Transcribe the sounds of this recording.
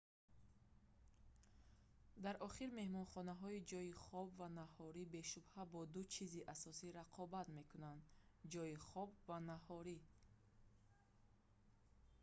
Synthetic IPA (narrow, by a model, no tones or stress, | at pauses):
d̪aɾʔɔχiɾme̞hmɔnχɔnaɦɔid͡ʒɔiχɔbvanahɔɾibe̞ʃubhabɔd̪ut͡ʃʰiziʔasɔsiɾaqʰɔbat̪me̞kʰunand̪d͡ʒɔiχɔbvanahɔɾi